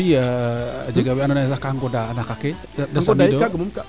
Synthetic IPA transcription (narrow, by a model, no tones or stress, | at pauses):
iad͡ʒeɡawianonazakaŋɡodaanakake | adaŋsmidoaɡumumka